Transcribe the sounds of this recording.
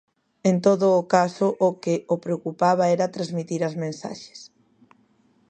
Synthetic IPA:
ent̪oðʊːkasʊʔokɪopɾeokupaβaɛɾat̪ɾazmit̪iɾazmẽnsa̰ʃe̥s

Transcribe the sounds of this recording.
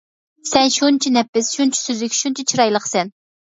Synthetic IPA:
sɛnʃunt͡ʃʰinɛpːɪsʃunt͡ʃʰi̥søzlykʲʃunt͡ʃʰit͡ʃʰiɾɑjlˠəχsɛn

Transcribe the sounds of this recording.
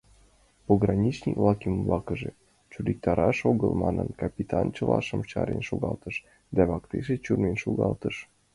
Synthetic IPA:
poɣrɑnʲit͡ɕnʲikvlɑkimblɑkəʒe | t͡ɕuɾʲik̚t̪ɑɾɑʃoɣəlmɑnənkɑpʲit̪ʰɑnt͡ɕəlɑʃəmt͡ɕɑɾenʃoɣɑlt̪əʃ | d̪æβɑkt̪eʃet͡ɕurmenʃoɣɑlt̪əʃ

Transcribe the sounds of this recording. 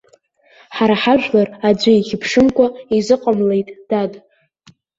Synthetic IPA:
ħaɾaħaʒᶣlarad͡ʒʷɪiχʲɪpʰʂɨmkʷʰaizɨqʼamlejtʼd̥adʼ

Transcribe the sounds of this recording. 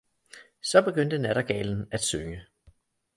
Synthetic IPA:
sɒ̽b̥e̝ɡ̥øn̰d̥ənæɾ̥ɐɡ̥ɛ̰ːln̩æd̥søŋə

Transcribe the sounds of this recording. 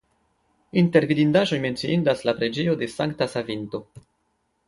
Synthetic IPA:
inte̞ɾvidindaʒo̞jme̞nt͡siindaslapɾe̞d͡ʒe̞jo̞de̞saŋktasavinto̞

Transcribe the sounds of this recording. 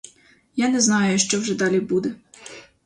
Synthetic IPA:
janɛznɑjʊʃt͡ʃɔwʒɛd̪ɑlʲibud̪ɛ

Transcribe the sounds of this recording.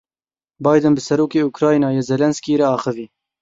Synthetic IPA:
bɑːjd̪ɨnbɨsɛɾoːkeːukɾɑːjnɑːjeːzɛlɛnskiːɾɛɑːxɨviː

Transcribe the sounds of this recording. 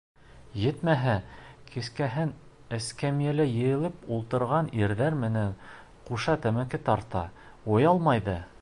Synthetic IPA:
jɘ̆t̪mæɦækiskæɦɘn | æ̆skæmijælɘjɘ̆jɘ̆lˠɘpulˠt̪ɤ̆ɾʁɑniɾðæɾmɘ̆næn | quʃɑt̪æmækɘt̪ɑɾt̪ɑ̰ | ujɑlˠmɑjðɤ

